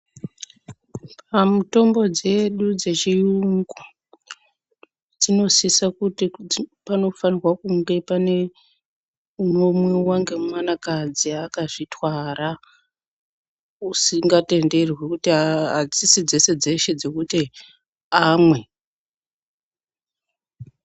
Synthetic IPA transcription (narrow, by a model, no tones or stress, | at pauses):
pamuto̞mbo̞d͡ze̞ɗud͡ze̞t͡ʃijuŋɡu | d͡zino̞sisakutipano̞fanirwakuŋɡe̞pane̞ | uno̞mwewaŋɡe̞mmanakad͡ziakaʐitwara | usiŋɡate̞nde̞rwekutiɦad͡zisid͡ze̞se̞d͡ze̞ʃe̞d͡zo̞kuti | amwe̞